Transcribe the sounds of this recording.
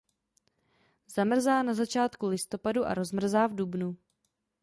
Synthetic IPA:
zamr̩zaːnazat͡ʃaːt̪kulɪst̪o̞paduʔa̰ɾo̞zmr̩zaːvdubnu

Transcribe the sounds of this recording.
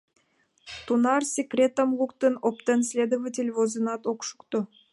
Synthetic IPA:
t̪unɑrsʲekrʲet̪omlˠukt̪ɨnopt̪ənsʲlʲed̪ovətʲelʲvozənɑt̪okʃu̥kt̪o

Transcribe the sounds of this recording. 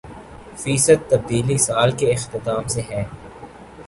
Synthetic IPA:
fiːsət̪ːɐb̚d̪iːlisaːlkeɪxt̪ɪt̪aːmseɦɛː

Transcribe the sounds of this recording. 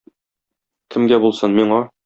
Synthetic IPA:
kɘ̆mɡæbulˠsɤnmiɴɑ

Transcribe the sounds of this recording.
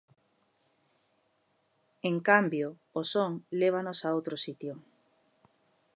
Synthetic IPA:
eŋkambjoosoŋleβ̞anosaowt̪ɾosit̪jo

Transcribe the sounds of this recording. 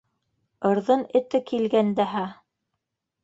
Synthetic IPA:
ɤ̆ɾðɤnɘ̆t̪ɘkilɡænd̪æɦæ

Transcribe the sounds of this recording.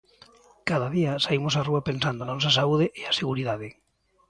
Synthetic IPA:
kaðaðiasaimosaruapensand̪oanɔsas̬auð̞eʔeaseɣ̞uɾiðað̞e

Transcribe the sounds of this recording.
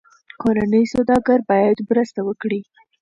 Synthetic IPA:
koɾanəjsawd̪ɑɡaɾbɑjad̪mɾəst̪awəkɽi

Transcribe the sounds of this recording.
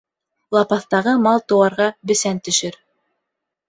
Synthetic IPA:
lˠɑpɑθt̪ɑʁɤmɑlˠt̪ŏwɑɾʁɑbɘ̆sænt̪ɵ̆ʃɘɾ

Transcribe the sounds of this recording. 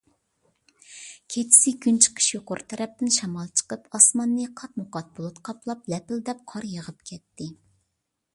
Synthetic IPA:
kʲʰet͡ʃʰi̥sɪɡʲynt͡ʃʰə̥qʰə̥ʃjoqʊɾt̪ʰɛɾɛp̚t̪ɪnʃɑmɑlˠt͡ʃʰə̥qəpɑsmɑnːɨqʰɑt̪̚mʊqɑt̪̚bolˠut̪qʰɑplˠɑplɛpɪld̪ɛp̚qʰɑɾjəʁəp̚kʲʰɛt̪ːɪ

